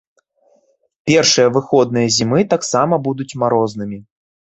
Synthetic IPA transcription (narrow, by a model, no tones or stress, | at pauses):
pʲɛrʂɨjɐvɨxɔd̪nɨjɐzʲimɨt̪aksamɐbud̪ut͡sʲmaɾɔznɨmʲi